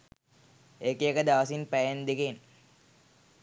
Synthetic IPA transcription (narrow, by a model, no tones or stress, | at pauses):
ekeekəd̪aʋəsinpæjend̪eken